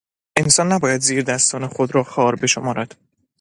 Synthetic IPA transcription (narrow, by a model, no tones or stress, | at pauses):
ʔensɒːnːæbɒːjæd̪ziːɾd̪æst̪ʰɒːnexod̪ɾɒːxɒːɾbe̞ʃomɒːɾæd̪̥